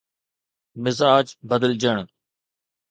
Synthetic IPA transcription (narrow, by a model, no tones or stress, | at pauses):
mɪzaːd͡ʒbəd̪əld͡ʒəɳ̃